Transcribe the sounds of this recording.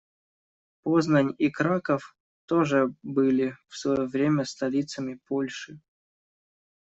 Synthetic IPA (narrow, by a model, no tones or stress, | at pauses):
poznənʲikɾakəf | t̪oʐɨbɨlʲɪfsvɐjovɾʲemʲəst̪ɐlʲit̪səmʲɪpolʲʂɨ